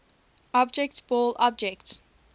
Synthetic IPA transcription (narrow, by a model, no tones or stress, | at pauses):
ɔbd͡ʒɛktb̥ɔːlɔb̚d͡ʒɛkt